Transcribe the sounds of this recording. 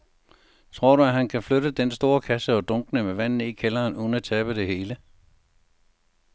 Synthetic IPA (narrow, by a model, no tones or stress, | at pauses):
t͡sʰʁo̝ɐ̰ɾ̥uæɦænkʰæfløɾəd̥ensd̥o̝ːɐkʰæsəɒ̽d̥ɔ̽ŋɡ̥nəmeʋæn̰n̩ikʰelɐːnuðn̩æt͡sʰɛːb̥əde̝he̝ːlə